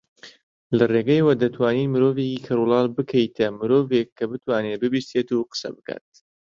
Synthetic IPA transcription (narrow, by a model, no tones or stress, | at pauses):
lɐreɡɐjwɐd̪ɐt̪ʰwaːniːnmɨɾoːvecikʰɐɾulˠɑːlbɨkʰɐjt̪ʰɐmɨɾoːvekʰːɐbɨt̪waːnebɨbist̪eːt̪uqə̥sɐ̰bɨka̰ːt̪̚